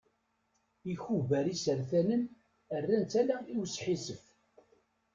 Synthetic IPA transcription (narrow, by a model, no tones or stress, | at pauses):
içuvæɾisəɾθænən | ərːænt͡s̪ælæiwəsːħisəf